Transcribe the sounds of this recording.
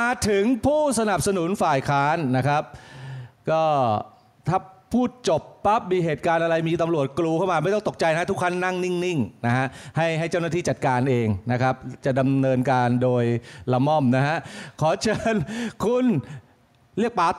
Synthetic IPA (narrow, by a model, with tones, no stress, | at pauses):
aː˧t̪ʰɯ˨˩˦ŋpʰuː˥˩sa˧na˨˩p̚sa˧nu˨˩˦nfaː˨˩jkʰaː˦˥nːa˦˥kʰa˦˥p̚kɔː˥˩ | t̪ʰaː˥˩pʰuː˥˩t̪̚t͡ɕo˨˩pːa˦˥p̚miː˧ɦeː˨˩t̪̚kaː˧nʔa˧ɾa˧jmiː˧t̪a˧mɾu˨˩ət̪̚kluː˧kʰa˥˩wmaː˧ma˥˩jt̪ɔ˥˩ŋt̪o˨˩k̚t͡ɕa˧jna˦˥˦t̪ʰkʰa˥˩nːa˥˩ŋni˥˩ŋni˥˩ŋna˦˥ɦa˦˥ʔha˥˩jɦa˥˩jt͡ɕa˥˩na˥˩iː˥˩t͡ɕa˨˩t̪̚kaː˧nʔeː˧ŋna˦˥kʰa˦˥p̚t͡ɕa˨˩da˧mnɤː˧nkaː˧ndoː˧jla˧mɔ˥˩mna˦˥ɦa˦˥ʔkʰɔː˩˦t͡ɕʰɤː˧nkʰu˧n | ɾi˥˩ək̚paː˨˦˥